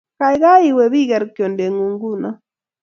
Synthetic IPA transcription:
ka˨jɣa˦i˨wɛ˨βi˦ɣɛ˨ɾkjɔ˨nde˨ŋu˨ŋɡu˦na˦

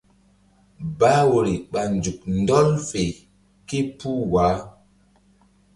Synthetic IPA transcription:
ba˦wo˨ɾi˨ɓa˨nd͡ʒu˨k̚ndɔ˦lfe˨ | ki˦pu˦waː˨˦

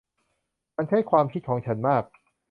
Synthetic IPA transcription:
ma˧nt͡ɕʰa˥˩jkʰwaː˧mkʰi˦˥t̪̚kʰɔː˩˦ŋt͡ɕʰa˦˥nmaː˥˩k̚

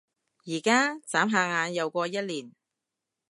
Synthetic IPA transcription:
jiː˨˩kaː˥t͡saː˨˥mɦaː˧ŋaː˨˧njɐ˨˧wkʷɔː˧jɐ˥t̚liː˨˩n

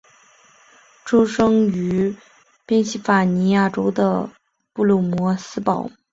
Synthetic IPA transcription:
ʈ͡ʂo˥ʊʂɤ˥ŋy˧˥ | pjɛ˥nɕi˥˩fa˨˩ni˧˥ja˥˩ʈ͡ʂo˥ʊd̪ə̰˧ | pu˥˧lu˥˩mwɔ˧˥sɹ̩˥pɑ˨˩˦ʊ

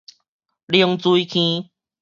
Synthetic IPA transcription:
li˧ŋt͡su˧i˦kʰĩ˦

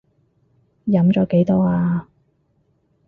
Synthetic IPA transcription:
jɐ˨˥mt͡ʃɔː˨˥ke˨˥jt̪ɔː˥aː˧

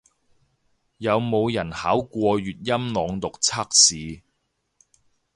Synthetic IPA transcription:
jɐ˨˧wmo˨˧wjɐ˨˩nhaː˨˥wkʷɔː˧ɥyː˨t̚jɐ˥mnɔː˨˧ŋt̪ʊ˨k̚t͡sʰaː˥k̚siː˨˧

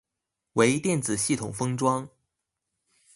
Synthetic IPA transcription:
we˧˥ɪt̪jɛ˥˩nt͡sɹ̩˨˩ɕi˥˩t̪ʰʊ˨˩ŋfɤ˥ŋʈ͡ʂwɑ˥ŋ

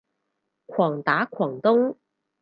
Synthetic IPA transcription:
kʰwɔ˨˩ŋt̪aː˨˧˥kʰwɔ˨˩ŋt̪ʊ˥ŋ

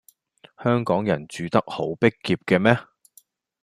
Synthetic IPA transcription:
hœː˥ŋkɔː˨˥ŋjɐ˨˩nt͡ʃyː˨t̪ɐ˥k̚ho˨˥wpɪ˥kːiː˧p̚kɛː˧mɛː˥

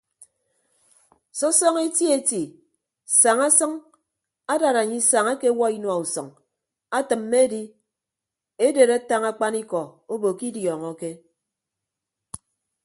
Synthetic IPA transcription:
sɔ˦sɔ˦ŋe˦ti˦e˦ti˨ | sa˨ŋa˦sʌ˦ŋ | a˦da˨ɾa˨ɲi˦sa˨ŋa˦ke˦wɔ˦i˦nwa˨u˨sɔ̰˨ŋ | a˦tɨ˨mːe˦di˦ | e˦de˨ɾa˦ta˦ŋa˦k͡pa˦ni˦kɔ˨o˦bo˨ki˦djɔ˨ŋɔ˨ke˦

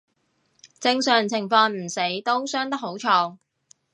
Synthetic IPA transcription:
t͡sɪ˧ŋsœː˨˩ŋt͡sʰɪ˨˩ŋfɔː˧ŋm̩˨˩se˨˥jt̪o˥wsœː˥ŋt̪ɐ˥ho˨˥wt͡ʃʰɔː˧ŋ

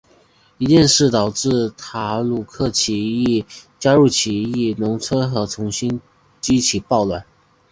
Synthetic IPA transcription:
i˧˥t͡ɕjɛ˥˧nʂɻ̩˥˩t̪ɑ˨˩ʊʈ͡ʂɻɹ̩˥˩t̪ʰa˧˥lu˨˩kʰɤ˥˩t͡ɕʰi˧˥i˥˩t͡ɕja˥ɻu˥˩t͡ɕʰi˧˥i˥˩nʊ˧˥ŋt͡sʰwɤ˥nxɤ˧˥t͡sʰʊ˧˥ŋɕi˥n | t͡ɕi˥t͡ɕʰi˨˩pɑ˥˧ʊlwa˥˩˦n

